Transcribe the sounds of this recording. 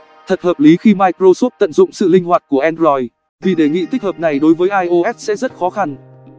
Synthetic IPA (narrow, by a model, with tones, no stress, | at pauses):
t̪ʰə˨˩t̚həː˨˩p̚li˨˦xi˧maː˧jkɾo˧sɔ˦˥p̚t̪ə̰˧˨nzʊ̰˧˨ŋ͡msɨ̰˧˨lï˧ŋ̟hwaː˨˩t̚ku˧˩əʔɛ˧nzɔ˧j | vi˨˩ɗe˧˩ŋḭ˧˨t̪i˦˥k̚həː˨˩p̚na˨˩jɗo˨˦jvəː˨˦jʔaː˧jʔo˧ʔɛ˦˥t̚sɛ̰˧˥zə˦˥t̚xɔ˨˦xa˧n